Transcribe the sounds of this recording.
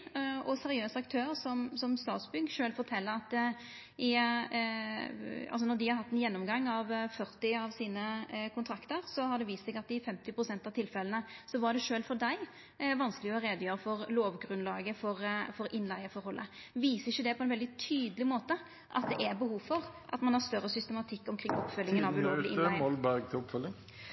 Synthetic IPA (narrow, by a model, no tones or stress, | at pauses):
ɔsɛɾɪøːsɑkt̪ʰøːɾsɔmsɔmst̪ɑ̰ːt̪sbʏɡʃøːlfɔɾt̪ʰɛlːəɾɑt̪ | ɪ | ɑ̰lsɔnɔd̪ɪhɑɾhɑt̪ːɛnjɛnːɔmɡɑŋːɑʋfœʁt̪ɪɑʋsiːnəkʰʊnt̪ʰɾɑkt̪əɾsɔhɑd̪ɛʋiːst̪sɛɡɑt̪̚ːɪfɛmt̪ɪpɾʊsɛnt̪ɑʋt̪ʰɪlfɛlənəsɔʋɑɖɛʂøːlfɔd̪æɪ | ʋɑnskəlɪɔɾeːd̪əjøːɾəfɔɾloːʋɡɾʉnlɑːɡəfɔɾfɔɾʔɪnlæɪəfɔɾhɔlːʔə̰ʋiːsəɪçːəd̪ɛpʰɔɛnʋɛld̪ɪt̪ʰyːd̪əlɪmoːt̪ə | ʔɑ̰t̪̚d̪ɛʔæɾbəhuːʋfɔɾʔɑ̰t̪mɑnhɑɾst̪œɾːəsʏst̪əmɑt̪ʰɪkːɔmkʰɾɪŋːɔpːfœlːɪŋənɑʋʉloːlɪɪnɪɪɔlbæʁɡt̪ʰɪɔpfœlɪŋ